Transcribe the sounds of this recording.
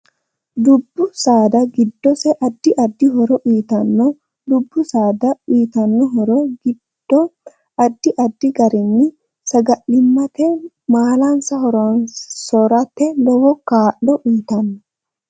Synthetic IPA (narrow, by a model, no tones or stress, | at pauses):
d̪ʊbːʊsaːd̪ɐɡɪd̪ːɔsɛʔɐd̪ːɪʔɐd̪ːɪɦɔɾɔʔiːt̪ɐnːɔ | d̪ʊbːʊsaːd̪ɐiːt̪ɐnːɔɦɔɾɔɡɪd̪̥ːɔ | ɐd̪ːɪʔɐd̪ːɪɡɐɾɪnːɪ | sɐɡɐʔɪmːɐt̪ɛ | maːlɐnsɐhɔɾnsɔɾɐt̪ːɛlɔwɔkaːʔːɔʔiːt̪ɐnːɔ